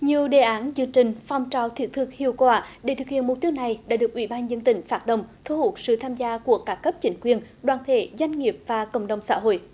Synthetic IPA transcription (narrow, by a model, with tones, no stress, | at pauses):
ɲi˨˩əwɗe˨˩ʔaː˨˦nzɨ˧əŋt͡ɕï˨˩ŋ̟fa˨˧˩wŋ͡mt͡ɕa˧˩wt̪ʰi˨˦˥ət̚t̪ʰɨ˨˩k̚hḭ˧˨əwkwaː˧˩ɗe˧˩t̪ʰɨ˨˩k̚hḭ˧˨nmʊ˨˩t̚t̪i˧˦əwna˨˩jɗa̰ː˧˥ɗɨ˨˩əkʔwḭ˧˩ɓaː˧nzə˧nt̪ï˧˩ŋ̟faː˦˥t̚ɗə̰˧˨wŋ͡mt̪ʰu˧hu˨˩t̚sɨ̰˧˨t̪ʰaː˧mzaː˧ku˧˩əkaː˦˥kːə˦˥p̚t͡ɕï˨˦ŋ̟kwi˧ənɗwaː˨˩nt̪ʰe˧˩˦zwa˧jŋ̟ŋi˨˩əp̚vaː˨˩kə̰˧˨wŋ͡mɗə˨˩wŋ͡msa̰ː˧˥ɦo̰˧˨j